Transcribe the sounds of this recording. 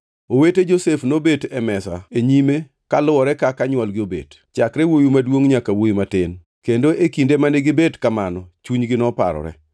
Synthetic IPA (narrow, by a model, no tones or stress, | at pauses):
oweted͡ʒosefnobetɛmɛsa̰eɲime | kalʊwɔɾɛkakaɲwɔlɡɪobḛd | t͡ʃakɾɛwojumadwoŋɲakawojimatɪn | kendoʔekindemaneɡɪbedkamanɔt͡ʃuɲɡɪnɔpa̰ɾɔ̰ɾɛ̰